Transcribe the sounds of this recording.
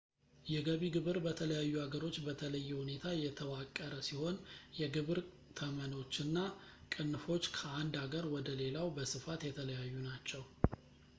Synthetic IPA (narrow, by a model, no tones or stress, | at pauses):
jɛɡəβiɡɨβɨɾbət̪ʰələjajːuhaɡəɾo̞t͡ʃːbət̪ʰələjːɛhune̞t̪ʰajɛt̪ʰəβakʼːəɾəsiho̞njɛɡɨβɨɾ | t̪ʰəməno̞t͡ʃːɨnːakʼɨnːfo̞t͡ʃːkʰəand̪aɡəɾwɔd̪əle̞lawbəsɨfat̪jɛt̪ʰələjajːunat͡ʃːɛw